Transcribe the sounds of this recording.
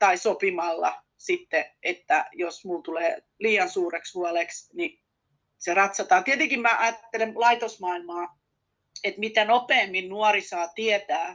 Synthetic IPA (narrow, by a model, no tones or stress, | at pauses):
t̪ɑisopimɑlːɑ̰ | sit̪ːeet̪ːæ̰josmult̪uleː | liːɑnsuːreksʋuɑleksni | serɑt̪sɑt̪ɑːt̪iet̪eŋkimmæʔɑjɑt̪ːelemlɑit̪osmɑilmɑː | et̪mit̪ænopeːmːinnuɑrisɑːt̪iet̪æː